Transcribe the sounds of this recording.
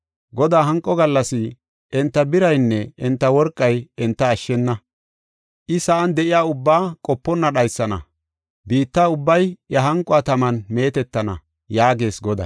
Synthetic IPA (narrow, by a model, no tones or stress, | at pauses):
ɡɔd̪aːɦɐŋkʼːɔɡɐlːɐsɪ | ʔɛnt̪ːɐbɪɾɐjnːɛɛnt̪ːɐwɔɾkʼːɐjɛnt̪ːɐːʃːɛnːɐ | ʔɪsɐʔɐnd̪ɛʔɪjaːʊbːaːkʼɔpːɔnːɐɗɐjsːɐnɐ̰ | biːt̪ːaːʊbːɐjjɐɦɐŋkʼːɔɐt̪ɐmɐnme̞ːt̪ɛt̪ːɐnɐ̰ | jaːɡe̞ːsɡɔd̪ɐ̰